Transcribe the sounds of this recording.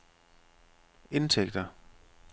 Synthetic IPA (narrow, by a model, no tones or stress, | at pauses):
e̝nt͡sʰeɡ̥̚d̥ɐ